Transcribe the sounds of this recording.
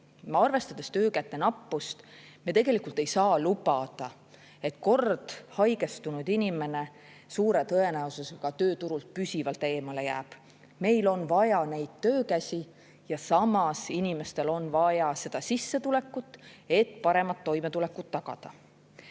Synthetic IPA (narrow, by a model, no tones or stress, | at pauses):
ɑrve̞st̪ɑd̪̥e̞st̪ø̞ːkæt̪ːˑe̞nɑpːust̪met̪e̞ɡ̥e̞likːˑult̪ˑe̞jsɑːlubɑd̪̥ɑ | e̞t̪ko̞rd̪̥hɑjɡe̞st̪unud̪̥inʲime̞ne̞ | suːɾe̞t̪ɤe̞næosuseɡ̥ɑt̪ø̞ːt̪uɾult̪̚pysivɑlt̪e̞ːmɑle̞jæːb̥ | me̞jlo̞nvɑjɑne̞jd̪̥̚t̪ːø̞ːkæsʲi | jɑsɑmɑsinime̞st̪e̞lo̞nvɑjɑse̞d̪̥ɑsisːe̞t̪ule̞kːˑut̪ːe̞t̪ːˑpɑɾe̞mɑt̪ːo̞jmet̪ule̞kˑːut̪ːɑɡ̥ɑ̰d̪̥ɑ